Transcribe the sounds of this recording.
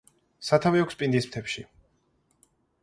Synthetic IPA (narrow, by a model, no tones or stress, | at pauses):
sat̪ʰaviɔkʰʷspʼind̪ism̥t̪ʰɛpʃi